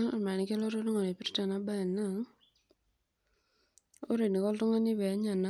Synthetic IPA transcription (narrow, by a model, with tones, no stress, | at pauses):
a˦ŋa̰˨ma˨ni˨ke˦lɔ˦to˦tʊ˦ŋɔ˨ne˨pi˦ɾta˨na˦ba˦a˨na˦˨ŋ | o˦ɾe˨ni˨kɔ˦ltʊ˦ŋɔ˦ni˦bɛ˨˦ɲa˨na˦